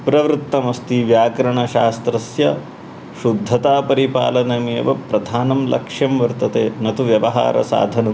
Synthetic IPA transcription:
pɾɐʋɾut̪ːɐmɐst̪iʋjaːkɾɐɳɐʃaːst̪ɾɐsjɐ | ʃud̪ʱːɐt̪aːpɐɾipa̰ːlɐnɐmeːʋɐpɾɐd̪ʱaːnɐmlʔɐ̰kʂjɐmʋɐɾt̪ɐt̪eːnɐt̪uʋjɐʋɐɦa̰ːɾʔɐ̰sa̰ːd̪ʱɐnɐm

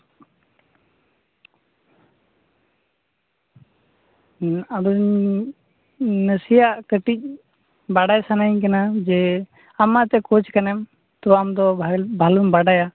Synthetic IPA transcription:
abɲ | nəsijaʔkəʈic̚ˀ | baɖajsanaiɲkɐnad͡ʒɛ | amat̪ɛkot͡ʃʰkɐnɛm | t̪ɔamd̪ɔbʱaləmbaɖaja

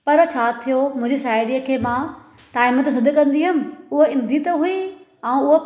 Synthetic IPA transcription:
pɐɾt͡ɕʰaːt̪ʰijomʊ̃ɪ̃d͡ʑisaːɪɽiəkʰeːmãː | ʈaːɪmət̪sɐd̪ʱkɐ̃nd̪iɦʊmɪ̆ʊɦoɪ̃nd̪ʱit̪ɐɦui | ɛ̃ːʊɦo

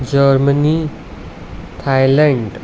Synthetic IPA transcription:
d͡ʑəɾməni | t̪ʰajlaɳɖ

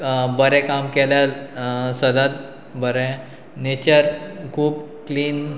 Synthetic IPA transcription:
bəɾɛ̃kamkɛljalsəd̪ʱat̪̚ | bəɾɛ̃ | net͡ɕəɾkʰuːbkliːn

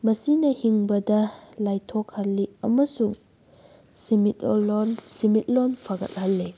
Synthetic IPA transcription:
mɐsinɐhiŋbɐdɐlajtʰɔkhɐlːiɐmɐsuŋ | simitnsimit̚lonpʰɐɡɐ̰t̚hɐlːe

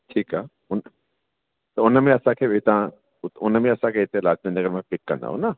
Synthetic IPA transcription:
ʈʰiːkaː | ʊn | t̪oʊnəmẽɐsãkʰeʋet̪ã | ʊt̪ʊnmẽɐsãkʰeɦit̪eelaːt͡ʃmẽnɐɡəɾmẽpɪkːɐɾnd̪a̰ɦo̰na

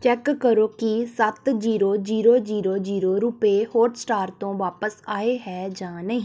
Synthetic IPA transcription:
t͡ʃɛːkːəɾoːkisət̪d͡ʒiːɾoːd͡ʒiːɾoːd͡ʒiːɾoːd͡ʒiːɾoːɾuːpeːhoːʈsʈaːɾt̪õːʋaːpəsaːeːɦɛːd͡ʒãːnəɦĩː

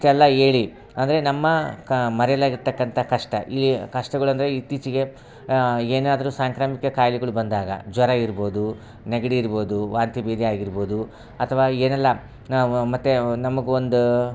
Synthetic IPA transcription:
ʈɛlːɐeːɭi | ɐnd̪ɐɾe̞nɐmːɐmɐɾɛjɐlaːɡiɾt̪ɐkːɐnt̪ʰɐkɐʂʈɐʔiːkɐʂʈɐɡɐɭɐnd̪ɐɾeit̪ːit͡ʃiɡe̞ | eːnaːd̪ɐɾusaːŋkɾaːmikɐkaːjliɡɐɭubɐnd̪aːɡɐ̰d͡ʒʋɐɾɐiɾbo̞ːd̪u | neɡɐɽiːɾbo̞ːd̪uʋaːnt̪ibiːd̪iaːɡiɾbo̞ːd̪u | ɐt̪ʰɐʋaːeːnɐlːɐ | mɐt̪ːenɐmɐɡuond̪u

